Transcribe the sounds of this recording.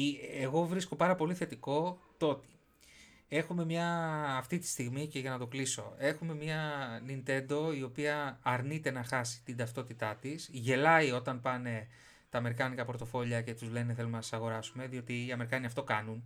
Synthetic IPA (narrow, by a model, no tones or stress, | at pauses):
eɣo̞vɾisko̞pɐɾɐpo̞liθe̞t̪iko̞t̪o̞t̪i̥ | e̞xume̞mɲɐːft̪it̪i̥st̪iɣmice̞ʝɐnɐt̪o̞kliso̞̰e̞xume̞mɲɐnint̪e̞nd̪o̞io̞piɐːɾnit̪e̞nɐxɐsi̥t̪ind̪ɐft̪ot̪it̪ɐt̪isʝe̞lɐio̞t̪ɐnpɐne̞ | t̪ɐːme̞ɾikɐnikɐpo̞ɾt̪o̞fo̞ʎɐce̞t̪uzle̞neθe̞lumenɐssɐɣo̞ɾɐsume̞ðio̞t̪iːɐme̞ɾikɐniɐft̪o̞kɐnun